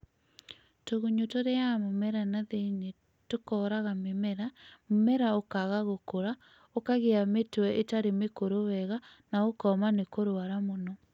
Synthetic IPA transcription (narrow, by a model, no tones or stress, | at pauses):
toɣoɲotoɾeamomɛɾanaðene | tokɔːɾaɣamemɛɾamemɛɾaokaɣaɣokoɾa | okaɣeametwɛʔetaɾemekoɾowɛɣa | naokɔmanekoɾoaɾamonɔ